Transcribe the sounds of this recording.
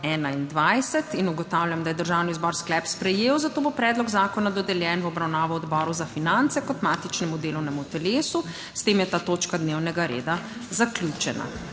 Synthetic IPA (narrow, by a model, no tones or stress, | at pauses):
ɛːnaind̪ʋajsɛt̪inuɡɔt̪aːwlʲjamd̪ajɛd̪əɾʒaːwniuzbɔɾsklɛpspɾɛjeːwzat̪oːbopɾɛːd̪lɔɡzaːkɔnad̪ɔd̪ɛljɛnwɔbɾawnaːʋɔɔd̪bɔːɾuzafinant̪sɛkɔt̪maːt̪it͡ʃnɛmud̪eːlɔwnɛmut̪ɛleːsu | st̪eːmjɛt̪aːt̪oːt͡ʃkad̪neːwnɛɡaɾḛːd̪azaklʲjuːt͡ʃɛna̰